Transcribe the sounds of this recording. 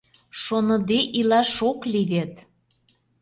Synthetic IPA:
ʃonɤ̆d̪eʔilɑʃokliɣet̪

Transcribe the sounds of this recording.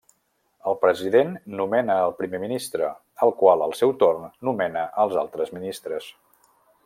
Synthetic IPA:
əlˠpɾəziðenːumɛnəːlˠpɾimeminist̪ɾə̰ | əlˠkwalˠəlˠsɛwt̪ornːumɛnəʔəlˠza̰lˠt̪ɾəzminist̪ɾəs

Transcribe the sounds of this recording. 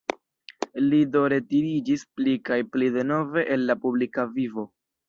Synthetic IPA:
lido̞ɾe̞tiɾid͡ʒisplikajplide̞no̞ve̞ʔenːapublikavivo̞

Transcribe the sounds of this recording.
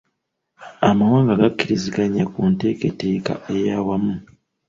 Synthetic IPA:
amawaːŋɡaɡakːiɾizikaɲakunte̞ke̞te̞ːka̰e̞jawamu

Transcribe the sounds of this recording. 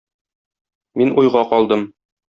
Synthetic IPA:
minʔujʁɑqɒlˠd̪ɤm

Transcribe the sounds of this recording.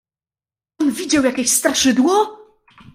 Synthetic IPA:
ɔnvʲid͡ʑawjakʲeɕst̪aɾʂɘd̪wɔ

